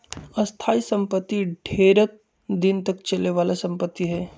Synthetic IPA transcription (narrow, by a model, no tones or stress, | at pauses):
ɐst̪ʰaːisə̃mpət̪ːiɖʱeːɾət̪̚ | d̪ɪnt̪ɐkt͡ʃɐleʋaːlasɐ̃mpət̪ːiɦɛː